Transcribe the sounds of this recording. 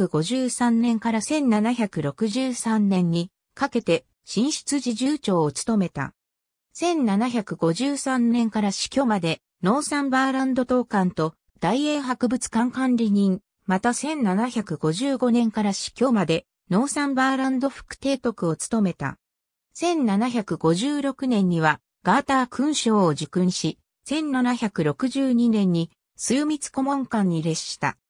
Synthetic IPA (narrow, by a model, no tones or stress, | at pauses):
ɯ̟ɡo̞ʑɨːsãnnẽ̞ŋkaɾasẽ̞nnanaçʲakɯ̟ɾo̞kɯ̟ʑɨːsãnːẽ̞ɲ̟ːi | kake̞t̪e̞ | ɕĩɰ̃ɕi̥t͡sɨʑiʑɨːt͡ɕo̞ːot͡sɨ̥t̪o̞me̞t̪a̰ | sẽ̞nnanaçakɯ̟ɡo̞ʑɨːsãnnẽ̞ŋkaɾaɕi̥kʲo̞ːmad̪e̞ | no̞ːsãmbaːɾãnd̪o̞t̪o̞ːkãnt̪o̞ | d̪̥aie̞ːɦakɯ̟bɯ̟t͡sɨ̥kãŋkãnɾʲiɲ̟ĩŋ | mat̪asẽ̞nnanaçakɯ̟ɡo̞ʑɨːɡo̞nẽ̞ŋkaɾaɕi̥kʲo̞ːmad̪e̞ | no̞ːsãmbaːɾãnd̪o̞ɸɯ̥kɯ̟̥t̪e̞ːt̪o̞kɯ̟o̞t͡sɨ̥t̪o̞me̞t̪a̰ | sẽ̞nnanaçakɯ̟ɡo̞ʑɨːɾo̞kɯ̟nẽ̞ɲ̟ːiβa | ɡ̥aːt̪aːkɯ̟̃ɰ̃ɕo̞ːʑɨkɯ̟̃ɰ̃ɕi | sẽ̞nnanaçakɯ̟ɾo̞kɯ̟ʑɨːɲ̟inẽ̞ɲ̟ːi | sɨːmʲit͡sɨ̥ko̞mõ̞ŋkãɲ̟ːiɾe̞ɕi̥t̪a̰